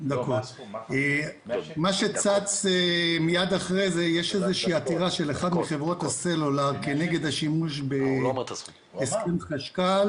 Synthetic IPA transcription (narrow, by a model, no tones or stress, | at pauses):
d̪ako | maʃe̞t͡sat͡semijad̪aχʁezejeʃezeʃiiːat̪iʁaʃe̞leχad̪miχevʁo̞t̪haselolaʁkeneɡe̞d̪aʃimuʃ̬be | skemχaʃkal